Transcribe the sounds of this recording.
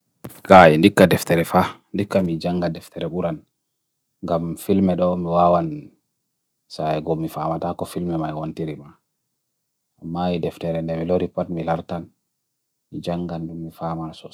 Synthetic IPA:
kajɛndikːadɛftɛɾɛfandikːamid͡ʒaŋɡadɛftʰɛɾɛɓuɾan | ŋɡamfilmɛɗɔmiwawan | saɛɡɔmːifamatakɔfilmɛmajwontiɾima | ʔamːajidɛftɛɾɛndɛmiloɾipatmilaɾtan | mid͡ʒaŋɡandumːifamasɔ

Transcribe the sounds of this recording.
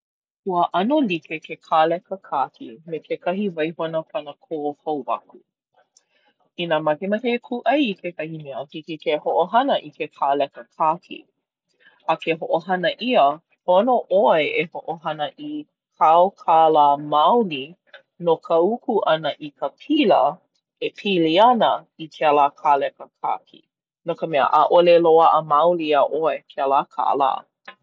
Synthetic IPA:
huəʔɐnolikekekʰalɛkəkʰaːkʰḭmekʰekɐɦivɐjɦonəpɐnəkʰoːhowvɐ̰ku | inamɐkemɐkekʰuʔɐjikʰekɐhimiəkikikehoʔoɦɐnəʔikʰekʰaːlɛkəkʰakʰḭ | ɐkeɦoʔoɦɐnəʔiə | pʰonoʔoeʔehoʔoɦɐnəʔi | kʰaokʰalaːmawli | nokʰəukuʔɐnəʔikʰəpʰilə | epʰiliɐnə | ikʰealaːkʰalɛkəkʰa̰kʰḭ | nokəmɛə̰ʔa̰ʔoleloɐʔəmawliaʔoekʰealakʰa̰ʔə̰la̰ː

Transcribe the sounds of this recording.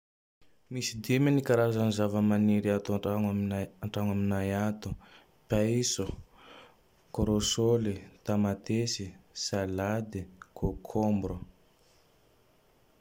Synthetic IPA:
misid̪emanikaɾazanizavəmaniɾiat̪aaŋaaɳʈ͡ʂaŋaminajat̪u | paisu | koɾosolit̪amat̪esisalad̪ikʰokʰombɾo

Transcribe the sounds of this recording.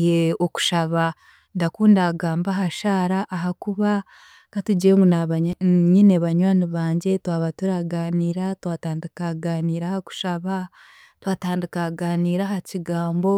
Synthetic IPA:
jeoku̥ʃaβa | ndakuːndaɡaːmbaɦaʃaːɾaʔːɦakuβa | katuɟiemunaɲineβaɲwaːniβaːɲɟe̞twaːβatuɾaɡaːniːɾatwaːtaːndikaɡaːniːɾahaku̥ʃaβa | twaːtaːndikaɡaːniːɾahaciɡaːmbo̞

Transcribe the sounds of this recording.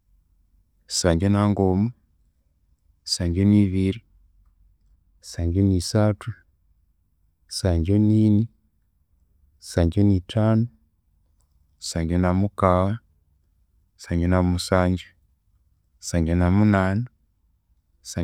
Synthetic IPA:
i̥saːɲɟenaŋɡomu | si̥saːɲɟeniβiɾi | saːɲɟoniːsatu | saːɲɟoniːni | saːɲɟoniːtʰaːnu | i̥saːɲɟenamukawa | saɲɟenamusaːɲɟe | isaːɲɟenamunaːna | sa

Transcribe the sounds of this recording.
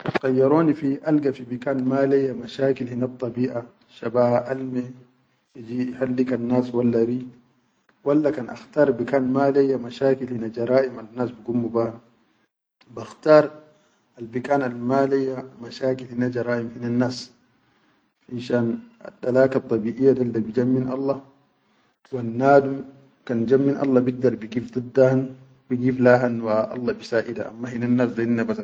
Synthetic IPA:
qajːɑɾoːnifiʔalɡafibikaːnmaːlejːamaʃaːkilhinat̪ˤːɑbiːʔa | ʃabaːhaʔalme | id͡ʒihalːikanːaːswalːaɾi | walːakanʔa̰xt̪aːɾˤbikaːnmaːlejːamaʃaːkilhinad͡ʒɑɾˤaːʔimanːaːsbiɡummubaːha | baxt̪aːɾˤ | albikaːnalmaːlajːamaʃaːkilhinad͡ʒɑɾˤɑːʔimhinanːaːs | anʃaːna̰dalaːkat̪ˤːɑbiːʔijːadaldabid͡ʒamːinʔɑ̰lˤːɑ | wanːaːd̪um | kand͡ʒamːinʔɑ̰lˤːɑbiɡ̚d̪ɑɾˤbiɡiːfd̪ˤɨd̪ːahan | biɡiːflaːɦanwaʔɑ̰lˤːɑbisaːʔida̰ʔa̰mːahinanːaːsdanːabata

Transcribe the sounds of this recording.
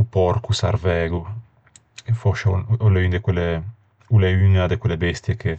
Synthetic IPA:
upɔɾkusa̰ɾvɛːɡu | efɔʃoleynd̪ekwele | uleynad̪ekwelebɛst̪jekʰe

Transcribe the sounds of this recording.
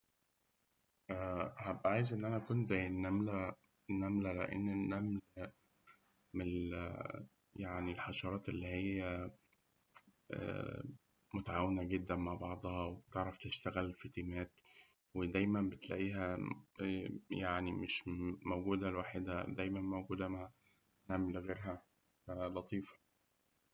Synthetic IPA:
ʔæhæbʕaːjezʔenːʔænækunt̪zæjːenːæmlæ | nːæmlælḛʔḛnːenːæml | me | jaʕnilħɑʃɑɾˤɑːt̪ʔelːiːhejːæ | ʔæ̰ | mot̪aʕaːwenæɡed̪ːænmaʕbɑʕd̪ˤhɑwebt̪eʕɾˤɑft̪eʃt̪æɣælfet̪imæːt̪ | wed̪æjmæmbet̪læ̰ʔiːɦæ | jaʕnimeʃmowɡuːd̪ælwaːħed̪æd̪æjmænmowɡuːd̪æmaʕ | nːæmlɣeːɾɦæ | fælɑt̪ˤiːfɑ̥

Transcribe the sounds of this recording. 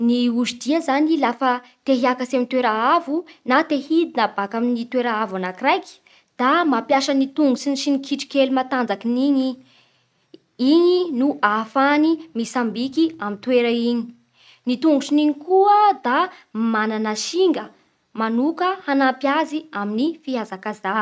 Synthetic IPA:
niuzid̪̥iəzanilafət̪eɦiakasamint̪weɾaavunat̪ehid̪inabakaminit̪weɾaavanakirajki̥ | d̪̥amapjaʃənit̪uŋɡusinʃinikʰiʈ͡ʂi̥kelumat̪and͡zakiniɲi | iɲinuʔafanimisambikiamint̪weɾəiɲi̥ | nit̪uŋɡusiniɲikuəd̪amananaʃiŋɡə | manukəhanampjaziaminifiazakaza

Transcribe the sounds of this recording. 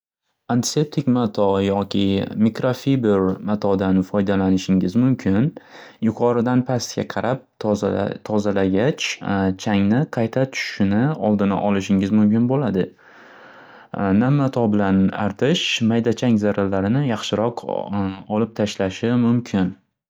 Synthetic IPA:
ant̪ʰɪ̥se̞p̚t̪ʰɪkʲmat̪ʰɒjɒkʲɪmikɾofibɪɾmat̪ʰɒd̪anfɒjd̪alanɪʃɪŋɪzmʊmkʲʰɪnjʊqʰɒɾɪd̪anpʰasɡʲa̰qʰɑɾap̚ | t̪ʰɒzalaɡʲat͡ʃʰt͡ʃʰaŋnɪqʰɑjt̪ʰat̪ʰʊ̥ʃʃɪnɪɒlˠd̪ɪna̰ʔɒlɪʃɪŋɪzmʊmkʲɪnbolad̪ɪ | namːat̪ʰɒbɪlanaɾt̪ʰɪʃmajd̪at͡ʃʰaŋzaɾalːaɾɪnɪjɑχʃɪɾɒq | ɒlɪp̚t̪ʰaʃlaʃɪmʊmkʲʰɪn

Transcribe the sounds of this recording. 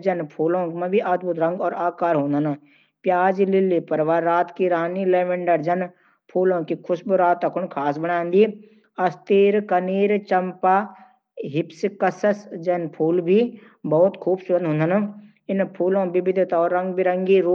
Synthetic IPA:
d͡ʒɐnpʰuːlõːmãbʱiʔaːd̪bʊt̪ɾɐ̃ŋɡɔːɾaːkaːɾɦõːnd̪ʱəna | pjaːd͡ʒlɪlipəɾʋaːaːt̪kiɾaːnilɛːʋə̃ɳɖəɾd͡ʒɐn | pʰuːlõːkikʰʊsbuɾaːt̪ːɐkʰʊnkʰaːsbəɽãːnd̪i | ɐst̪iːɾkəniːɾt͡ʃəmpaː | ɦɪpskəsəsd͡ʒɐnpʰuːlbʱi | bɔːʊt̪kʰuːbsbə̃nd̪ɦʊ̃nd̪ən | ɪnpʰuːlõːbɪbɪd̪ʱt̪aɔːɾːɐ̃ŋɡbʱiɾɐŋɡiɾoː

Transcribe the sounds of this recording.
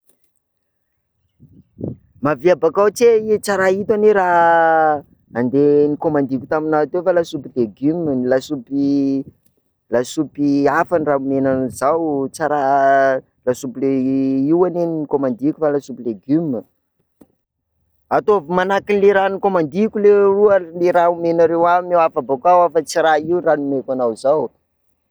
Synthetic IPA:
maviabakawt͡seit͡saɾait̪aneɾaɦ | and̪enikomand̪ikʲu̥t̪aminat̪efalasupileɡymlasupi | lasupiafanraumenanizawt͡saɾa | lasupileiwaneninikomand̪ikʲufalasupileɡym | at̪ovumanakinleɾanikomand̪ikʲuleruəleɾaumenaɾewamewafabakawafat͡siɾaiwranumekanawzaw

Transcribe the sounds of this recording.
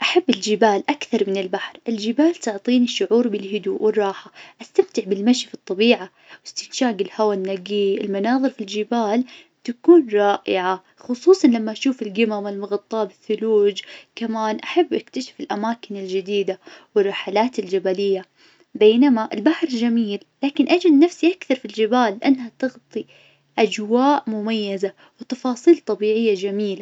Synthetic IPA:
ʔaħabːɪld͡ʒɪbaːlʔakθɑɾˤmɪnɪlbaħɾʔɪld͡ʒɪbaːlt̪ʊʕt̪ˤiːniʃːʊʕuːɾbɪlɦʊd̪uːʔwɪrˤːɑːħaʔast̪amt̪ɪʕbɪlmaʃifit̪ˤːɑbiːʕa | wɪst̪ɪnʃaːɡɪlhawanːaɡiːɪlmanɑːðˤɨɾfild͡ʒɪbaːl | t̪akuːnɾˤɑːʔɪʕa | xʊsˤuːsˤɑnlamːaʔaʃuːfɪlɡɪmamalmʊɣɑt̪ˤːɑːbɪθːʊluːd͡ʒkamaːnʔaħabːʔakt̪aʃḁfɪlʔamaːkɪnɪld͡ʒɪd̪iːd̪awɪrˤːɑħalaːt̪ɪld͡ʒabalɪjːa | beːnamaʔɪlbaħɾˤd͡ʒamiːlːaːkɪnʔad͡ʒalnafsiʔakθɑɾˤfild͡ʒɪbaːlːʔanːhat̪ɪɣt̪ˤi | ʔad͡ʒwaːʔmʊmajːɪza | wɪt̪ɑfɑːsˤiːlt̪ˤɑbiːʕɪjːad͡ʒamiːla

